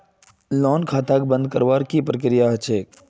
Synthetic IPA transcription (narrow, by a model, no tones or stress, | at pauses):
lɔːnkʰaːt̪aːk̚bə̃nd̪kəɾʋaːɾkipɾək̬ɾijaɦɐt͡ʃeːk̚